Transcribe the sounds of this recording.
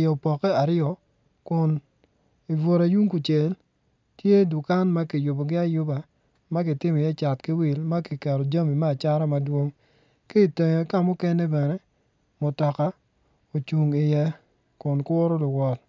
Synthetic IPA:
jɔ˨pɔ˨kɛ˦a˨ɾɪɔ˨ | kʊ˨n | i˨vo˨ɾa˨ju˦ŋku˨t͡ʃe˨l | tje˦dʊ˨ka˦nma˦kɪ˨jʊ˨bɔ˨ɡɪ˦a˦jʊ˦ba˨ | ma˦kɪ˨tɪ˦mɔ˨jɛ˦t͡ʃa˨tkɪ˦wi˨lma˦kɪ˨kɛ˨ɾɔ˨d͡ʒa˦mi˨mɛ˦a˨t͡ʃa˦ɾa˦ma˦dwo˦ŋ | kɪ˦i˨te˨ɲɔ˨˦ka˦˨mʊ˦kɛ˦nɛ˦bɛ˨nɛ˦ | mʊ˨tɔ˨ka˦ | o˨t͡ʃu˨ŋɪ˨jɛ˦ | kʊ˨nkɔ˦ɾɔ˦lʊ˨wɔ˨l

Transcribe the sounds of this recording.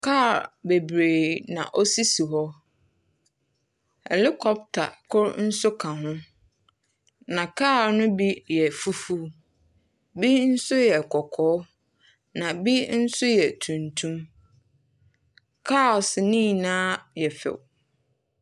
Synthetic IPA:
kʰa˦˨ɾbe˨bɾeː˨nã̰˨ʔɔ˦si˦si˨ɦɔ˦ | ɛ̰˨lɪ˦kʰɔ˦b̚tʰa̰˨kʰʊ˦ɾn̩˦sʊ˦kʰã˨ɦʊ̃˦ | nã˨kʰaː˦˨nʊ̃˦bi˦jɛ˨fu˦fu˦ | bi˦n̩˦sʊ˦jɛ˨kʰɔ˨kʰɔː˨˦ | nã˨bi˦n̩˦sʊ˦jɛ˨tʰũ˨ntʰũ˦m | kʰa˦ɔ˨snĩ˦˨nãː˦jɛ˨fɛ̰˨w

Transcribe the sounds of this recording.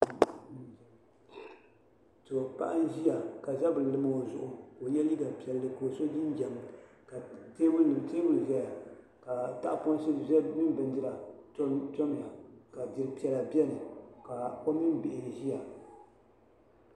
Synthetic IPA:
tɨ˨o˨pa̰˦ʔa˦n˦ʒi˦ja˨ka˨za˦bɨ˨lɨ˨ma˨o˨zʊ˨ʔʊ˨ko˨jɛ˦li˦ɡa˨pi˨ɛ˨lːɨ˨ko˨so˦ji˦n˦d͡ʒa˨ma˨ | ka˨teː˦wʊ˦nɨ˨m˨teː˦wʊ˦lzɛ˦ja˨ | ka˨ta̰˦ʔpo˦n˦si˦zmɨ˦bɨ˨ndɨ˦ɾa˨˦ | tɔ˦m˨a˨ka˨dɨ˨ɾɨ˨pi˦ɛ˨la˨bi˦ɛ˦nɨ˨ka˨ko˦mi˦n˦bɪ˨ʔɪ˨ʒi˦ja˨

